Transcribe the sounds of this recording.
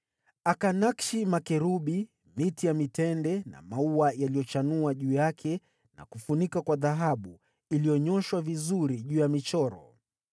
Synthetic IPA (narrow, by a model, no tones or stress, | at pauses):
akanakʃimakɛɾuɓi | mitijamitɛndɛna̰mauajalijɔt͡ʃanuaʄuːjakʰɛ | na̰kufunikakwaðaɦaɓu | ilijɔɲɔʃwavizuɾiʄuːjamit͡ʃɔɾɔ̰